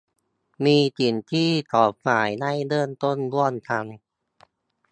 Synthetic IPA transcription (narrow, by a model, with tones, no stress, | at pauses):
miː˧t͡ɕi˨˩nt̪ʰiː˥˩t̪ʰɔː˨˩p̚ŋaː˩˦jna˥˩jdɤː˧˩nt̪o˥˩nbu˥˩ənt̪ʰa˧ŋ